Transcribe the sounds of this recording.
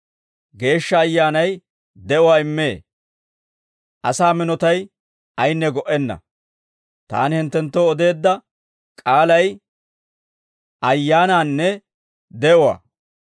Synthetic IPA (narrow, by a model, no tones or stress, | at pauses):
ɡe̞ːʃːɐːjːaːnɐj | d̪ɛʔʊwaːɪmːeː | ʔɐsaːmɪnɔt̪ɐj | ɐjnːɛɡɔʔɛnːɐ̰ | t̪a̰ːnɪhɪnt̪ːɛnt̪ːoɔd̪e̞ːd̪ːɐ | kʼaːlɐj | ʔɐjːaːnaːnːɛ | d̪ɛʔɔwa̰ː